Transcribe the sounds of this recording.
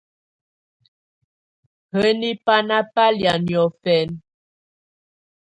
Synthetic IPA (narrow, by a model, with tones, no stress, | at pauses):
hə˦ni˦pa˦na˦pa˦lja˨njɔ˨fɛ˨n